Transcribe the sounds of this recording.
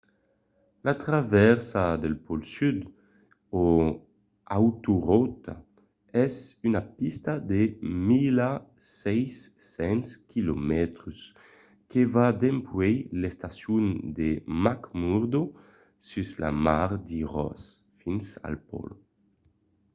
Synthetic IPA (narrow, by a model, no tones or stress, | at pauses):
lat̪ɾavɛɾsad̪elpɔlsyd̪ | o | awt̪uʁɔt̪a | ɛzynapist̪ad̪emilasɛjsːɛnskilomɛt̪ɾus | kevad̪empwɛjlest̪asjund̪emakmuɾd̪o | syzla̰maɾd̪iʁɔ̰s | finsa̰lpɔ̰l